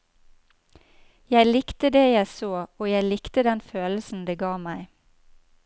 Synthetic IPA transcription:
jæɪlɪkt̪əd̪eːjæɪsoːoːjæɪlɪkt̪əd̪ɛnføːl̩sn̩d̪eːɡɑːmæɪ

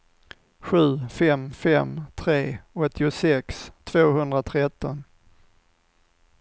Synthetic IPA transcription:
ɧʉ̟ːfɛmfɛmt̪ʰɾeːɔt̪ʰːɪʊsɛkst̪ʰv̥oːhɵnd̪ɾat̪ʰɾɛt̪ːɔn

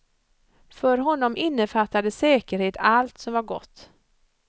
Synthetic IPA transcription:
fœɾɦɔnːɔmʔɪnːəfat̪ːad̪əsɛːkəɾheːt̪alt̪sɔmvaɾɡɔ̰t̪ː

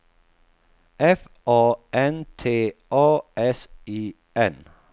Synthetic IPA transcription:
ʔɛf | ʔoːɛnt̪ʰeːoːɛsiː | ɛn

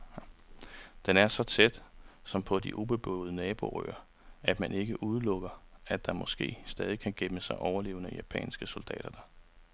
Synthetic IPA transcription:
d̥enæɐsɒ̽t͡sʰed̥sɒ̽mpʰɒ̽d̥iʔub̥e̝b̥ɔ̰ʊð̞̩ˠənɛːb̥o̝ʁø̰ːɐ | æd̥mæne̝ɡ̥əʔuð̞ˠlɔ̽ɡ̥ɐædd̥ɑ̈mɒ̽sɡ̥e̝̰ːsd̥ɛːð̞ˠikʰæɡ̥eməsɑ̈ɪʔɒʊɐle̝ːʊnəjæpʰɛ̰ːnsɡ̥əsold̥ɛ̰ːd̥ɐd̥ɑ

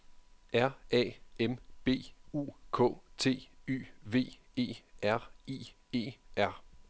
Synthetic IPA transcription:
æɐ̰ɛ̰ːemb̥e̝̰ːṵːkʰɔ̰̽ːt͡sʰe̝̰ːy̰ːʋe̝̰ː | e̝̰ːæɐ̰ḛːe̝̰ːʔæɐ̰

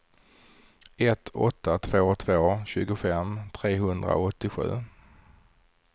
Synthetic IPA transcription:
ɛt̪ʰɔ̰t̪ʰːat̪ʰv̥oːt̪ʰv̥oːɕʉ̟ːɡʊfɛmt̪ʰɾeːɦɵnd̪ɾa̰ɔt̪ːɪɧʉ̟̰ː

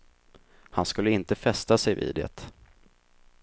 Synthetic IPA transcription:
hanskɵlːəɪnt̪əfɛst̪asɛjvḭːd̪ɛ̰t̪

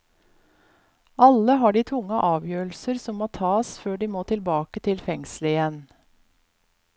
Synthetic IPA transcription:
ʔɑləɦɑːɖiːt̪ʰʊŋəʔɑːʋjøːɭ̩səɾsɔmmːoːt̪ʰɑːsføːɖiːmoːt̪ʰɪlbɑːkət̪ʰɪlfɛŋsləɪjɛn

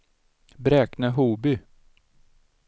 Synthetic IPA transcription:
bɾɛːknəɦuːbʏ

